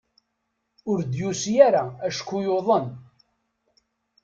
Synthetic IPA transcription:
ʊɾd̪jusjæɾaæʃkːujoðˤən

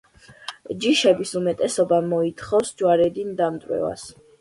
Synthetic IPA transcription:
d͡ʒiʃɛbisumɛt̪ʼɛsɔbamɔit̪ʰχɔfsd͡ʒwaɾɛd̪ind̪amt̪ʼwɛ̰va̰s

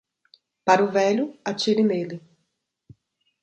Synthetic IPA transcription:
paɾʊvɛʎʊat͡ʃiɾɪmelɪ

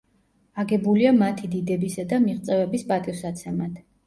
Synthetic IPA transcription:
aɡɛbuliamat̪ʰid̪id̪ɛbisad̪amiʁt̪sʼɛvɛbispʼat̪ʼisat̪sʰɛmad̪̥

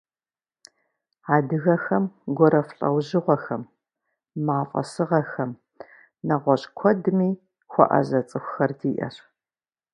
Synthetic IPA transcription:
aːdɨɣɐxɐmɡʷɔɾɐfɬʼɐ̰wʑɨʁʷɔxɐmː | aːfʼɐ̰sɨʁɐxɐm | nɐʁʷɔɕʼkʷʰɔdɨmiː | xʷɔ̰ʔɐ̰ʑɐt͡sʼɨxʷʊxɐrdiːʔɐ̰r

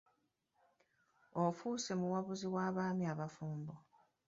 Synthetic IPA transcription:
o̞fuːse̞muwaβuziwaːβaːmiaβafuːmbo

